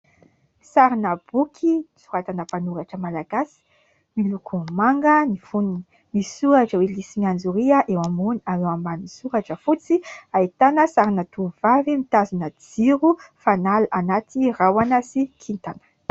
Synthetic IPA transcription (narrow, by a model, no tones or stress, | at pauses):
saɾinəb̥ukʰit͡suɾat̪anəpanuɾaʈ͡ʂəmalaɡasi̥ | milukʰumaŋɡənifununi | misuaʈ͡ʂəwelisimiand͡zuɾiəʔewamuniaɾewambanisuɾaʈ͡ʂəfut͡siait̪anəsaɾinət̪uvavimit̪azunəd͡ziɾufanalʔanat̪ʰirawanəsikʰint̪anə̥